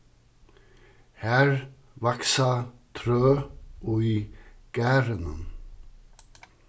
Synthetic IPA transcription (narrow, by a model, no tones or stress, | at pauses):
hæːɹ | ʋɑksɑt̪ʰɾøːʔoːiːɡ̥æːɾənən